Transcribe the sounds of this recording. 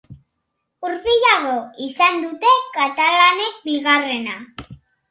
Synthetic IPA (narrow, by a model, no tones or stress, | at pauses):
uɾβiʎaɣo̞isand̪ut̪e̞kat̪alane̞k̚biɣare̞na